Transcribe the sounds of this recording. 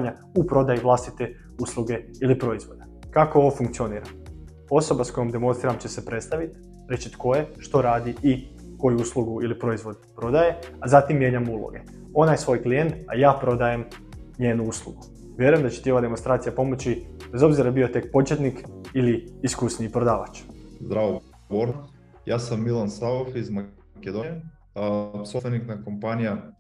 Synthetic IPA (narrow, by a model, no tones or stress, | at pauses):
ɲa | upɾo̞d̪ajiʋlˠast̪it̪e̞ | uːslˠuɡe̞ | ilipɾo̞izʋo̞d̪a | kako̞oʋofuŋkt̪sio̞niːɾa | o̞so̞basko̞jomd̪e̞mo̞nsɾiɾamt͡ɕe̞se̞pɾe̞t̪st̪aʋit̪ | ɾe̞t͡ɕit̪ko̞je̞ʃt̪o̞ɾaːd̪iʔi | ko̞juuːslˠuɡuilipɾo̞izʋo̞d̪̚pɾo̞d̪aje̞azat̪imːje̞ɲamuːlˠo̰ɡe̞ | o̞najsʋo̞ːjklije̞nt̪a̰jaːpɾo̞d̪aje̞m | ɲeːnuuslˠṵɡu | ʋʲje̞ɾujemd̪at͡ɕe̥t̪io̞ʋad̪e̞monst̪ɾaːt̪ijapo̞mo̞t͡ɕibe̞zo̞bziɾabiot̪e̞k̚po̞t͡ʃjet̪nikiliiskusniipɾo̞d̪aːʋat͡ʃzd̪ɾaʋo | boɾ | jaːsamːilˠansaofizma | ked̪oe | sost̪ʋeniknakompanija